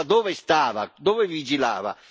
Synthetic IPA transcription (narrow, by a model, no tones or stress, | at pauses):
d̪ɔːvɪst̪aːva̰d̪ɔːvɪvid͡ʒila̰ːva̰